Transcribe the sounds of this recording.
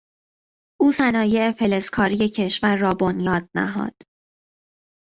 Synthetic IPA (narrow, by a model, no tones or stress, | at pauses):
ʔuːsænɒːje̞epʰe̞le̞skʰɒːɾije̞cʰe̞ʃvæɾːɒːbonjɒːd̪̥̚næ̰ɦɒ̰ːd̪̥